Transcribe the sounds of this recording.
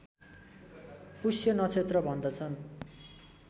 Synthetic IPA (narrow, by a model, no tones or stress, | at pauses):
pusjʌnʌt͡sʰet̪rʌbʱʌnd̪ʌt͡sʰʌn